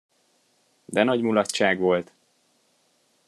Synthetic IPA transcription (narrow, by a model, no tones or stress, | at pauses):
d̪ɛnɒɟmulɒt̪t͡ʃaːɡʋo̞lt̪